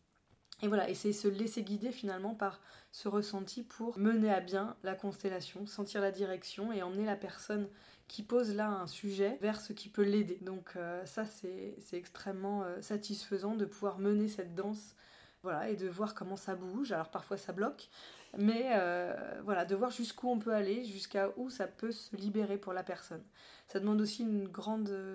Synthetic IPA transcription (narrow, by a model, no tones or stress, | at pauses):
evwalaʔesɛsəleseɡʲid̪efinalmɑ̃paʁsəʁəsɑ̃t̪ʰipʰuʁməneabjɛ̃lakɔ̃st̪ɛlasjɔ̃sɑ̃t̪iʁlad̪iʁɛksjɔ̃eɑ̃mnelapɛʁsɔn | kʲʰipozlaɛ̃syʒɛvɛʁsəkʲipøled̪ed̪ɔ̃kʰøsasɛsɛɛkst̪χɛmːɑ̃øsat̪isfəzɑ̃d̪əpuvwaʁmənesɛt̪̚d̪ɑ̃s | vwalaed̪əvwaʁkɔmɑ̃sabuʒalɔʁpaʁfwasablɔk | mɛøvwalad̪əvwaʁʒyskuɔ̃pøaleʒyskaʔusapøsəlibeʁepuʁlapɛʁsɔn | sad̪əmɑ̃d̪osiynɡʁɑ̃d̪